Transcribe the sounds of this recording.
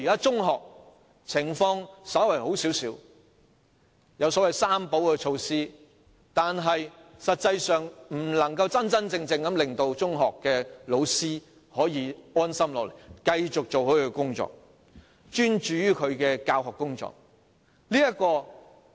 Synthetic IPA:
iː˨kaː˥t͡sʊ˥ŋɦɔː˨k̚ | t͡sʰɪ˨˩ŋfɔː˧ŋsɐ˨˥wɐ˨˩jho˨˥wsiː˨˥wsiː˨˥w | jɐ˨˧wsɔ˨˥wɐ˨jsaː˥mpo˨˥wkɛː˧t͡ʃʰo˧wsiː˥ | t̪aː˨nɦɐ˨jsɐ˨t̚t͡sɐ˧jsœː˨ŋm̩˨˩lɐ˨˩ŋkɐ˧wt͡sɐ˥nt͡sɐ˥nt͡sɪ˧ŋt͡sɪ˧ŋkɐ˨˥mlɪ˨ŋt̪o˨˧wt͡sʊ˥ŋɦɔː˨kːɛː˧lo˨˧wsiː˥ | hɔː˨˥jiː˨˧ɔː˥nsɐ˥mlɔː˨˧le˨˩jkɐ˧jt͡ʃʊ˨k̚t͡so˨whɵ˨˥ɥɵ˧kʊ˥ŋt͡sɔ̰ː˨k̚ | t͡ʃyː˥nt͡ʃyː˨˧jyː˥kʰɵ˨˧ɥkɛː˧kaː˧whɔː˨kːʊ˥ŋt͡ʃɔ̰ː˨k̚ | liː˥jɐ˥kɔː˧

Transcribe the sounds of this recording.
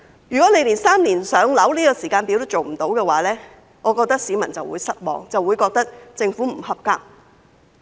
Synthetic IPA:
jyː˨˩kɔ˨˥ne˧jliː˨˩nsaː˥mniː˨˩nsœː˨˥ŋlɐ˨˥wliː˥kɔː˧siː˨˩kaː˧npi˨˥wt̪ɐ˥t͡ʃo˨wm̩˨˩t̪o˨˥wkɛː˧waː˨˥lɛː˥ | ŋɔː˨˧kɔː˧k̚t̪ɐ˥k̚siː˨˧mɐ˨˩nt͡sɐ˨wṵː˨˧jsɐ˥t̚wɔ̰ː˨ŋt͡sɐ˨wːuː˨˧jkɔː˧k̚t̪ɐ˥k̚t͡sɪ˧ŋfu˨˥m̩˨˩ɦɐ˨˧p̚ka̰ː˥k̚

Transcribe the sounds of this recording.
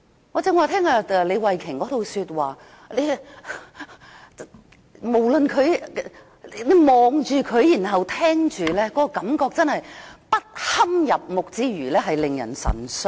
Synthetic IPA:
ŋɔ˨˧t͡sɛː˧ŋwaː˨˧t̪ʰɛː˥ŋaː˧˨˧le˨˧jwɐ˨jkʰɪ˨˩ŋkɔː˨˥t̪o˨wsyː˧t̚waː˨˩ | le˨˧ | mo˨˩wlɵ˨nkʰɵ˨˧ɥ | le˨˧jmɔː˨ŋt͡ʃyː˨˧kʰɵ˨˧ɥjiː˨˩nɦɐ˨wt̪ʰɛː˥ŋt͡ʃyː˨lɛː˥kɔː˨˥kɔ˧kɐ˨˥mkɔː˧k̚t͡sɐ˥nhɐ˨jpɐ˥t̚hɐ˥mjɐ˨p̚mʊ˨k̚t͡siː˧ɥyː˨˩lɛː˥ɦɐ˨jlɪ˨ŋjɐ̰˨˩nsɐ̰˨˩nsɵ˧˥

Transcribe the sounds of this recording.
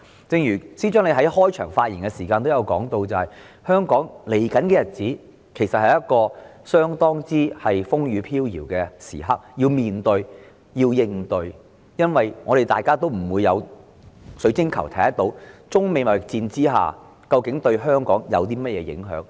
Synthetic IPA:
t͡sɪ˧ŋjyː˨˩siː˥t͡ʃœː˨˥ŋle˧ɦɐ˨˥jhɔː˥jt͡ʃʰœ̰ː˨˩ŋfaː˧t̚jḭ˨˩nkɛ˧siː˨˩kaː˧nt̪jɐ˨˧wkɔ̰ː˨˥ŋt̪o˧wt͡sɐ˨whɐ˨˩j | hœː˥ŋkɔː˨˥ŋle˨˩jkɐ˨˥nkɛː˧jɐ˨t̚t͡siː˨˥ | kʰe˨˩jsɐ˨t̚hɐ˨jɐ˥t̚kɔː˧ | sœː˥ŋt̪ɔː˥ŋt͡siː˥hɐ˨jfʊ˥ŋjyː˨˧pʰiː˥wjiː˨˩wkɛː˧sḭː˨˩ɦɐ˥k̚jiː˧wmiː˨nt̪ɵ˧ɥ | jiː˧wjɪ˧ŋt̪ɵ˧ɥ | jɐ˥nwɐ˨jŋɔː˨˧ɾe˨jt̪aː˨jkaː˥t̪o˥wm̩˨˩wuː˨˧jːɐ̰˨˧w | sɵ˨˥t͡sɪ˥ŋkʰɐ˨˩wt̪ʰɐ˨˥jɐ˥t̪o˨˥wt͡sʊ˥ŋme˨˧mɐ˨˩t͡siː˧nt͡siː˥ɦa̰ː˨˩ | kɐ˧wkɪ˨˥ŋt̪ɵ˧ɥɦœː˥ŋkɔː˨˥ŋjɐ̰˨˧wt̪̬iː˥mɐ˥t̚jɛː˨˧jɪ̰˨˥ŋɦœ̰ː˨˥ŋ

